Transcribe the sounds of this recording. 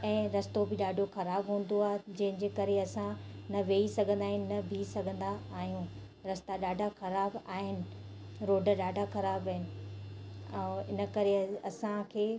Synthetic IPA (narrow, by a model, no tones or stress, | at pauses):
ɛ̃ːɾɐst̪obʱɪɗaːɖʱoxɐɾaːbɦũːn̆d̪oaːɦed͡ʑɐ̃ɦɪ̃d͡ʑeːkɐɾeɐsãnɐʋeːisɐɡʱə̃nd̪aːɦɪnɪ̆nɐbʱisɐɡʱə̃n̆d̪aːɦijũː | ɾɐst̪aɗaːɖʱaxɐɾaːbaːɦɪnɪ̆ | ɾoːɖʱəɗaːɖʱaxɐɾaːbaːɦɪnɪ̆ | ɛ̃ːɪ̰nə̆kɐɾeɐsãkʰeː